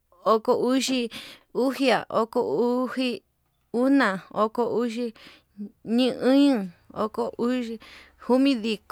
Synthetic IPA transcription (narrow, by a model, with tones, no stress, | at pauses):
o˧ko˧u˦ʃi˧u˦hi˦a̰˨ʔo˦ko˧u˦hi˦ | u˦nã˨o˧ko˧u˦ʃi˧ | ɲĩ˦ʔɨ̃˦ɲũ˦o̰˧ko˧ʔu˦i˧ | hu˦mĩ˦ði˧k